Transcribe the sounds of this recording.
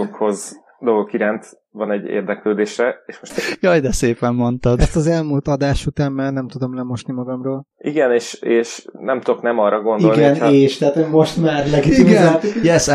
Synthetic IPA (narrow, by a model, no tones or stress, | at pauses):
okho̞z | d̪oɡokiɾant̪ | vɒnɛɟːḛːrd̪ɛkløːd̪eːʃɾɛeːʃmoʃjɒjd̪ɛseːpɛmːo̞nt̪ɒd̪ɛst̪ɒzɛlmuːlt̪ɒd̪aːʃut̪aːmːɛːrnɛmt̪ud̪o̞mlɛmo̞ʃnimɒɡɒmroːl | iɡɛneːʃeːʃnɛmt̪oknɛmɒrːɒɡo̞niolɡiɛneːʃt̪ɛat̪hojmo̞ʃt̪maːrnɛkit̪uɡɛt̪jɛs